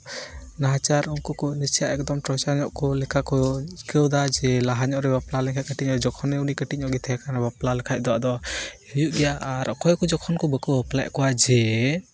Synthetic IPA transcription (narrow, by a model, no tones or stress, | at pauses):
naɦat͡ʃaɾunkɔkɔnit͡ʃijaʔɛk̚d̪ɔmʈɾɔt͡ʃaɾɲɔʔkɔlɛkʰakɔkəwd̪ad͡ʒɛlaɦaɲɔʔɾɛbaplalɛkʰac̚kəʈiɲɔɾɛd͡ʒɔkʰɔnɛunikəʈiɲɔʔɡɛt̪ʰɛɦɛkanɾɛbaplalɛkʰac̚d̪ɔwaʔd̪ɔ | ijuʔɡɛjaaɾɔ̰kɔjkɔd͡ʒɔkʰɔnkɔbəkɔbapla̰jʔkɔwad͡ʒɛ